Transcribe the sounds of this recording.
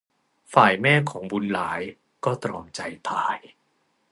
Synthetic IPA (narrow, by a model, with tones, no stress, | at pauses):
faː˨˩jmɛː˥˩kʰɔː˩˦ŋbu˧nlaː˩˦j | kɔː˥˩t̪ɾɔ̰ː˧mt͡ɕa˧jt̪ʰaː˧j